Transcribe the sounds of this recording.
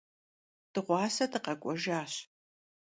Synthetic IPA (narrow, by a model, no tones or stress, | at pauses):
d̥ɨʁʷɑːsɐdɨqɐkʷʼɔʒaːɕ